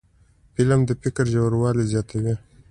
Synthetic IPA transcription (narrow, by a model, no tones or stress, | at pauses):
pɪlamd̪əfɪkəɾʒawɾwɑlizjɑt̪ʰawi